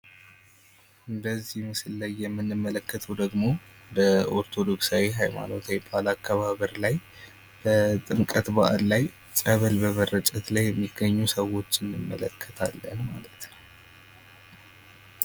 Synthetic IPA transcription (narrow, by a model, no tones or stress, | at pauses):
ʔɨnd̪əzːihmɨsɨlːajːɛmːɨnːɨmːələkʰːət̪ʰəd̪əɡmo̞bəʔoɾt̪ʰo̞d̪o̞ksawiɦajma̰no̞t̪ʰawbalakʰːaβaβəɾlaj | b̥ət̪ʼɨmkʼət̪baʔallaj | t͡sʼəβəlbəmərət͡ʃʼət̪lajːɛmːiɡːəɲːusəwo̞t͡ʃːɨnːɨmːə̰ləkʰːə̥t̪ʰa̰lːənmalət̪n